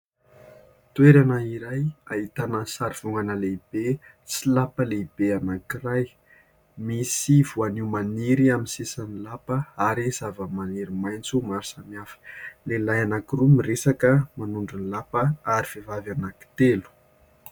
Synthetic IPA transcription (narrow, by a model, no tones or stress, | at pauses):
t̪weɾanəiɾajait̪anəsaɾiv̥uŋɡanəleib̥e | silapəleib̥eanakiraj | misiv̥uaniwmaniɾiaminsesanilapəaɾiz̥avəmaniɾimajnt͡sumaɾisaniafə̥lelajanakirumiresakəmanuɳɖ͡ʐunilapəaɾiv̥evavanaki̥t̪elu̥